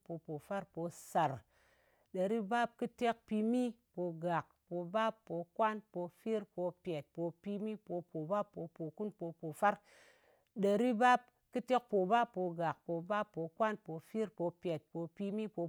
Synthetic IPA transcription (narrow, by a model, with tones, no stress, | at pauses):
po˧po˨fa˦ɾpo˧sa˨ɾ | ɗə˨ɾi˦ba˦p̚kɨ˦te˦k̚pi˧mi˦po˧ɡa˨k̚ | po˧ba˦pːo˧kwa˦npo˧fi˦ɾpo˧pʲe˨t̚po˧pi˧mi˦po˧po˨ba˦pːo˧po˨ku˦npo˧po˨fa˦ɾ | ɗə˨ɾi˦ba˦p̚ | kɨ˦te˦k̚po˨ba˦pːo˧ɡa˨k̚po˧ba˦pːo˧kwa˦npo˧fi˦ɾpo˧pʲe˨t̚po˧pi˧mi˦po˧